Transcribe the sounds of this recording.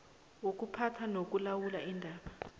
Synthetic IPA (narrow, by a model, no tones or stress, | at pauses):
wok̬upʰatʰanok̬ulawulaʔindʱaːɓa